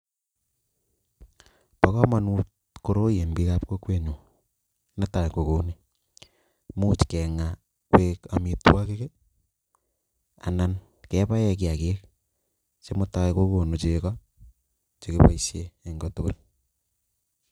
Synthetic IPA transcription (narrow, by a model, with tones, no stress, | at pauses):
pa˦kɔ˦ma˨nu˦t | ko˨ɾo˦je˨mbi˦ka˦p̚ko˦kwe˦ɲu˨ | ne˦ta˨jko˨ko˨˦ni˨ | mu˦t͡ʃkɛ˨ŋa˨ | kwe˦ka˨mi˨twa˦ke˦ke˦ | a̰˨na˨n | kɛ˦pa˦jɛ˨k̬i˨a˨ke˦k̚ | t͡ʃe˦mo˦ta˦jko˦ko˨no˨t͡ʃekɔ˦ | t͡ʃe˨kepa̰˨isjee˨ŋɡɔ˦to˦ko˦l